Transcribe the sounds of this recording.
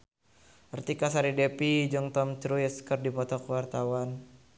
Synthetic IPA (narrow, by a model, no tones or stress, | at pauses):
ərt̪ikasaɾidepid͡ʒɔŋt̪ɔmt͡ʃɾujɛskərdipɔt̪ɔkəwart̪awan